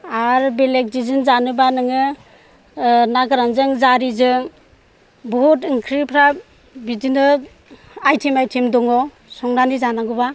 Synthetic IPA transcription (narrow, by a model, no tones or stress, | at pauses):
aɾbelek̚zizɯnzanɯbanɯŋɯ | naɡɯɾanzɯŋzaɾizɯŋ | bɔutɯŋkʰɾipʰɾa | bidinɯ | ajtʰimajtʰimdɔŋɔ | sɔŋɾanizanaɡɯba